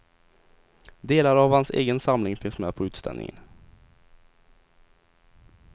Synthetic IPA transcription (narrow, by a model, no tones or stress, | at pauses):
d̪eːlaɾavhansḛːɡənsamlɪŋfɪŋsmɛːpʰɔʉ̟ːt̪st̪ʰɛ̰nɪ̰ŋə̰n